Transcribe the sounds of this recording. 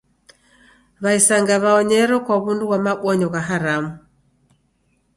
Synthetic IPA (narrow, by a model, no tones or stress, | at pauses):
βaisaŋɡaβaɔɲɛɾɔkwaβunduɣwamaɓwɔɲɔɣaɦaɾamu